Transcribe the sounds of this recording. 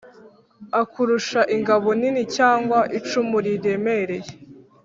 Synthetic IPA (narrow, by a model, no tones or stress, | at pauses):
akuɾuʃaʔiŋɡaβo̞ninicaːŋɡwaʔit͡ʃumuɾiɾe̞meɾe̞je